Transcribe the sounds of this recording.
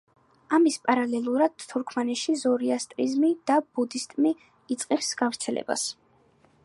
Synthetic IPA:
amispʼaɾalɛlˠuɾad̪̥t̪ʰːuɾkʰmanɛʃizɔɾiast̪ʼɾizmid̪̥ab̥ud̪ist̪ʼmiː | t̪sʼqʼifsɡ̥avɾt̪sʰɛlɛ̰ba̰s

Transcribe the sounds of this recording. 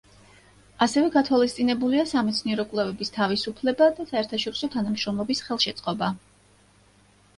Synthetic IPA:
asɛvɛɡat̪ʰwalist̪sʼinɛbuliasamɛt̪sʰniɛɾɔkʼlɛvɛbist̪ʰavisupʰlɛbad̪asaɛɾt̪ʰaʃɔɾisɔt̪ʰanamʃɾɔmlˠɔbisχɛlˠʃɛt̪sʼqʼɔba

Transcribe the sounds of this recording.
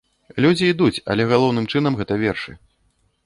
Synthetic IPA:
lʲud͡zʲiːd̪ut͡sʲɐ̰lʲɛɣalˠɔwnɨmt͡ʂɨnɐmɣɛt̪ɐvʲɛrʂɨ̰

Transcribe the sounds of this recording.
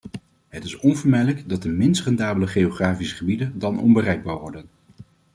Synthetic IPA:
ɦətɪsɔnvəɹmɛjləɡdɑt̚dəmɪnstrɛndaːbələχeoχraːfisə̥χəbidəndɑnɔ̰nbərɛjɡ̚baːɹʋɔɹdən

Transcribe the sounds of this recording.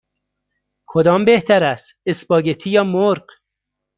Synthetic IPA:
kʰod̪ɒːmbeht̪ʰæɾæst̪esbɒːɟet̪ʰiːjɒːmoɾɢ

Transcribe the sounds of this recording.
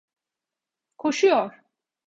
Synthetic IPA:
kʰɔʃijɔɾ

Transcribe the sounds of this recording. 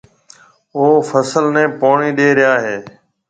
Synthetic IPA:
oːfʰəsəlnɛ̃ːpoːɳiːɗeːɾɪjaːɦeː

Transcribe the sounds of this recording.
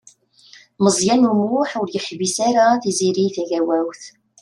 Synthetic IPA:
məzˤjænumwʊħʊɾjəħvisaɾaθiziɾiθæʝæwæwθ

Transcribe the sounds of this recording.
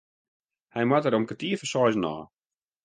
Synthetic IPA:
hɛjmatəɾomkətiəfəsɔjznɔ̰ː

